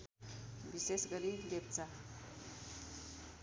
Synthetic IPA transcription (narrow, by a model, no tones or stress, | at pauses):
bisesɡəɾilep̚t͡sa